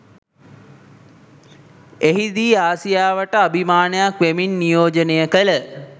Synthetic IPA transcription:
eɦid̪iːaːsijaːʋəʈəabʱimaːnəjakʋeminːijoːd͡ʒənejəkələ

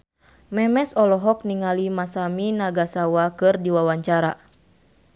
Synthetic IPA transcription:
mɛmɛsɔlɔɦɔk̚niŋalimasaminaɡasawakɨrdiwawaɲt͡ʃaɾa̰

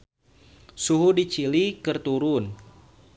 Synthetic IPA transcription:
suɦudit͡ʃilikərt̪uɾʊn

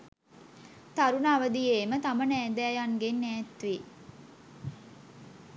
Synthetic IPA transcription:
t̪aɾunaːʋəd̪ieːmət̪amənæːd̪æːjaŋɡenːæːt̪ʋi

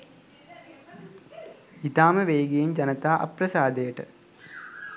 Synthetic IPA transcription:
it̪aːmɐʋeːɡɐjimd͡ʑɐnɐt̪aːʔɐ̰pɾɐsaːd̪eːʈɨ

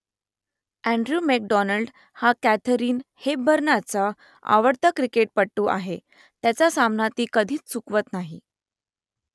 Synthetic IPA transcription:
æɳɖɾuːmek̚ɖɔnəɭɖ | hakæt̪ʰəɾiːnhebʱəɾɳat͡sa | a̰ʋəɽt̪əkɾikeʈ̚pəɽʈuːʔa̰ɦe | t̪jat͡ɕjasamnat̪iːkəd̪ʱiːt͡st͡sukʋət̪naɦḭ

